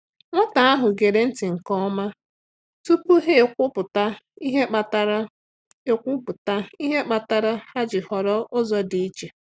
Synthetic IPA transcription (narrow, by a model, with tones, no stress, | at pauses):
ŋʷa˦ta˨a˦ɦʊ˨ɡe˨ɾe˨n̩˦tɪ˨ŋ̩˨kɔ˦ma˦ | tu˦pu˦ɦe˦˨kʷʊ˦pʊ˨ta˦i˦ɦe˦k͡pa˨ta˦ɾ | e˦kʷʊ˦pʊ˨ta˦i˦ɦe˦k͡pa˨ta˦ɾa˦ha˦d͡ʒɪ˨hɔ˨ɾɔ˦ʔʊ˦zɔ˦di˨i˦t͡ʃe˨